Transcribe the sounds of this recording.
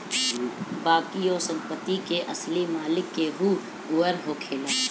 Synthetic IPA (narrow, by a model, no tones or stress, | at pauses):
baːkioːsə̃mpət̪ikeʔɐslimaːlɪkːeɦu | ʊːəɾɦokʰeːlaː